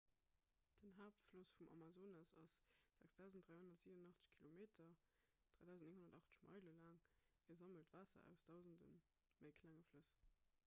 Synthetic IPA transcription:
d̥ənɦaːp̚tflosfumʔɑ̰mazoːnɑsɑsz̥æksd̥æʊzn̩t̚d̥ʁaɪhondɐtz̥iːvənənɑχt͡sə̥ɕkʰilomeːtʰɐ | d̥ʁaɪdæʊzntneŋhondɐtɑχt͡sə̥ɕmɑ̰ɪləlaːŋiɐzɑməltv̥aːsɐ̰æ̰ʊsd̥ɑʊzndə̰n | məɪkʰlæŋəfləs

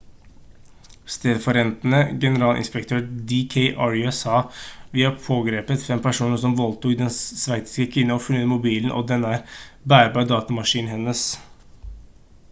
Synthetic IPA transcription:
st̪eːd̪əfɔɾɛnt̪nəɡɛnəɾɑːlʔɪ̰nspəkt̪ʰøːɾd̪ɪkʰeɪʔɑɹʉɛsɑːʋɪːɑpʰoːɡɾeːpət̪fɛmpʰæʂuːnəʂɔmʋɔlt̪uːkd̪ɛnsʋæɪt̪ɪ̥skəkʰʋɪnːəɔfʉləmʊbiːln̩ʔɔ̰d̪ɛnːəæɾbæːɾbæd̪ɑːt̪ɑmɑʂiːnhɛnːəs

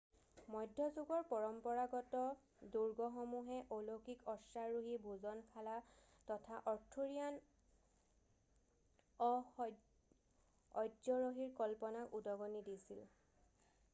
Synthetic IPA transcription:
mɔjdʱːɔzuɡɔɹpɔɹɔmpɔɹaɡɔtɔ | duɹɡɔxomuɦɛʔolokikɔsaɹuɦibʱuzɔnkʰala | tɔtʰaʔɔɹtʰuɹian | ɔ | ɔjzɔɹoɦiɹkɔlpɔnakudɔɡɔnidisil

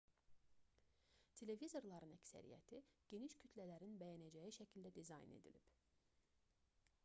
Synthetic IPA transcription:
t̪ʰe̞le̞vizo̞ɾlˠɑɾɯnæcsæ̰ɾḭjæ̰t̪ʰiɟ̥e̞niʃcʰyt̪ʰlælæɾinbæjænæd͡ʒæjiʃæcʰild̪æd̪izɑ̰jnḛd̪ḭlib̥

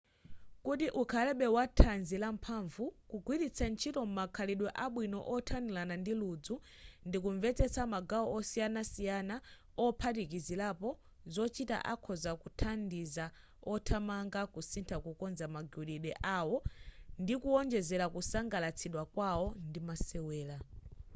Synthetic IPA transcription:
kutiʔukʰalɛɓɛwatʰanzilam̩pʰaɱvukuɡwiɾit͡sʰant͡ʃʰitɔmumakʰaliɗwɛʔaɓwinɔ̰ʔɔtʰanilanandilud͡zu | ndikuɱvɛt͡sɛt͡sʰamaɡaɔɔsijanasijana | ɔpʰatikizilapɔ | zɔt͡ʃita̰ʔa̰kʰɔzakutʰandiza | ɔtʰamaŋɡakusintʰakukɔnzamaɡuɗiɗɛʔawɔndikuɔnd͡ʒɛzɛlakusaŋɡalat͡sʰiɗwakwawɔndimasɛwɛːla

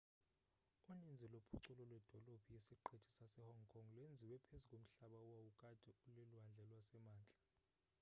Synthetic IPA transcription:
unind͡zʱɛlopʰuǀulɔlwɛd̥ʱɔlob̥ʱijesiǃetʰʼi̥sasɛhɔŋkʰɔŋlwend͡zʱiwɛpʰezukʼom̩ɬaɓawawukʼad̥ʱɛuleluɦand͡ɮʱɛlwasɛmaːnt͡ɬʼḁ

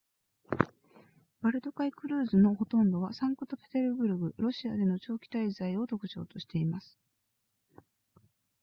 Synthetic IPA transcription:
b̥aɾɯ̟t̪o̞kaikɯ̟ɾɯ̟ːzɨno̞ho̞t̪õ̞nd̪o̞βasãŋkɯ̟t̪o̞pet̪eɾɯ̟ɡɯ̟ɾɯ̟ɡɯ̟ɾo̞ɕiad̪e̞no̞t͡ɕo̞ːkʲi̥t̪aizaio̞t̪o̞kɯ̟̥t͡ɕo̞̰ːt̪o̞ɕi̥t̪e̞imasɨ̥

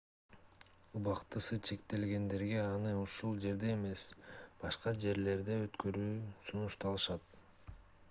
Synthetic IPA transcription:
ubɑqt̪ɯsɯt͡ʃʰe̞kt̪e̞lɡe̞nd̪e̞ɾɡe̞ɑnɯuʃulˠd͡ʒe̞ɾd̪e̞ːme̞sb̥ɑʃqɑd͡ʒe̞ɾle̞ɾd̪e̞ø̞t̪kø̞ɾyːsunuʃt̪ɑlˠɯʃɑt̪̚

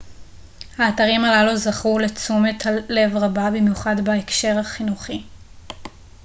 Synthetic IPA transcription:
haːtaʁimalaluzaχule̞t͡sumethale̞vʁababimjuχadbaekʃe̞ʁhaχinuχi

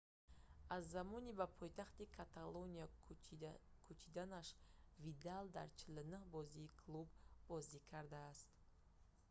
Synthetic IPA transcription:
azːamɔnibapʰɔjt̪ʰaχt̪ikʰat̪ʰalonia | kʰut͡ʃʰid̪anaʃvid̪ald̪a̰ɾt͡ʃʰilnəhbɔziːkʰlˠubːɔzikʰaɾd̪aːst̪

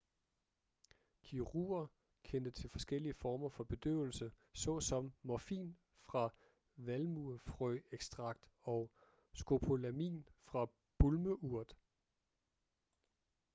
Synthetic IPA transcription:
kʰiʁṵːɐ | kʰend̥ət͡sʰe̝lfɒ̽sɡ̥el̰iəfɒːmɐfɒ̽b̥e̝d̥ø̰ːʊ̰l̩sə | sɒ̽sɒ̽mmɒɐfḭːn | fʁɑ̈ | ʋælmufʁœeɡ̥sd̥ʁɑ̈ɡ̥̚d̥ɒ̽ʊ | sɡ̥o̝pʰo̝læmḭːnfʁɑ̈ | b̥ulməʔuɐ̰d̥

